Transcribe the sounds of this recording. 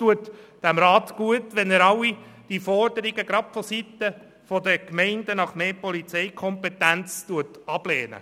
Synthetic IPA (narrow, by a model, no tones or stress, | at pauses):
tuətd̥æmɾɑːt̪ɡ̥uətʋɛnɛɾɑwːid̥ifɔrd̥əɾiɡəɡɾɑpfɔsitə | fɔd̪əkmɛɪndənɑχmeːpɔlit͡sɛɪkʰɔmpet̪ænt͡stuətɑb̥leːnə̰